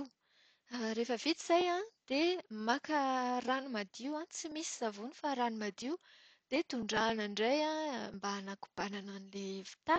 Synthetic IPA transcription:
ɾefəvit̪iz̥ajãd̪̥emakəranumad̪iwãt͡simisizavunifaɾanumad̪iw | d̪̥et̪uɳɖ͡ʐanaɳɖ͡ʐejãmbaːnaku̥b̥anananilevi̥t̪a

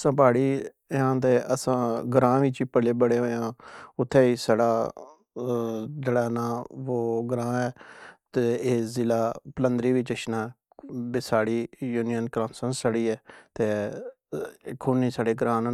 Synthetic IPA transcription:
sə̃ːpaːɽiː | ãːt̪eːʔəsãːɡəɾãːʋiːt͡ʃiːpəleːbəɽeːoːãːʊt̪ʰːɛːiːsaːɽaː | d͡ʒeːɽaːnaːʋoːɡəɾãːɛːt̪eːeːzɪlaːpələ̃nd̪ɾiːʋiːt͡ʃəʃnãː | besaːɽiːjuːnijənkɾãːmsənsaɽiːɛːt̪eː | kʰuːniːsaːɽeːɡɾãːnː

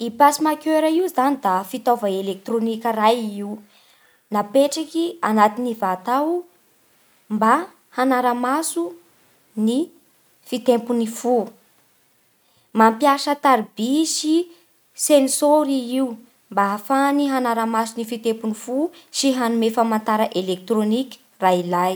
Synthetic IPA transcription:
ipasimakʲeɾəiuzanid̪afit̪ovaelek̚t̪ronikʲərajiu | napeʈ͡ʂakʲianat̪inivat̪aw | mba | hanaɾəmasu | ni | fit̪empunifu | mampjaʃət̪aɾibisi | sensoɾiiu | mbaafaniɦanaɾamasunifit̪empunifusiɦanumefəmant̪aɾəʔelek̚t̪ɾonikʲi̥ | railaj

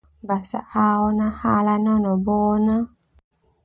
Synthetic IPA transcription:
vasa̰ʔaɔnahalanɔnɔbɔna

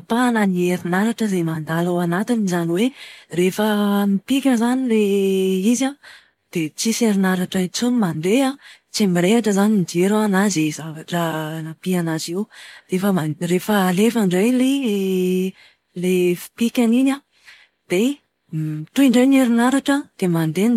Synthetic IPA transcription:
pananieɾinaɾaʈ͡ʂəzemand̪alawanat̪inizaniwerefənipikʲəzanileiza | d̪̥et͡siseɾinaɾaʈ͡ʂat͡sunimand̪eat͡simiɾeaʈ͡ʂəzaninid͡ʒeɾuanazizavaʈ͡ʂənapianazewrefəmarefəlefaɳɖ͡ʐejlee | lefi̥pikʲaninʲa | d̪̥e | t̪uiɳɖ͡ʐejneɾinaɾaʈ͡ʂəd̪̥emand̪en

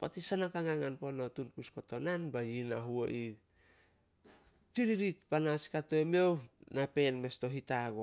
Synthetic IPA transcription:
patisanakaŋaŋanponotunkuskotonanbajinaɦuo̰ʔi | tiɾiɾit̚panaskatoemewnape̞nme̞sto̞ɦitaɡo

